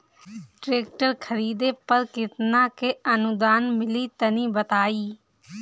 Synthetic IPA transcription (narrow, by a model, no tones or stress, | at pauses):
ʈɾeːk̚ʈəɾkʰəɾiːd̪eːpəɾkɪt̪nãːkeːənʊd̪aːnmɪliːt̪ənĩːbət̪aːiː